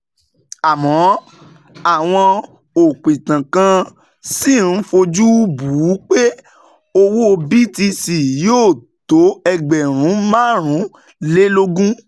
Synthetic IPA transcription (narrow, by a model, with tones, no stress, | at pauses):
a˨mɔ̃˨˦ | a˦˨w̃ɔ̃˧ | o˨k͡pĩ˨tã˨kã˧ | si˦˨n̩˦fo˧d͡ʒu˦bu˨˦k͡pe˦ | o˧wo˦˧bi˦˨ti˧si˨joː˦˨to˨˦ɛ˧ɡ͡bɛ˨ɾ̃ũ˨˦mãː˦˨ɾ̃ũ˨˦ | le˦lo˦ɡũ˦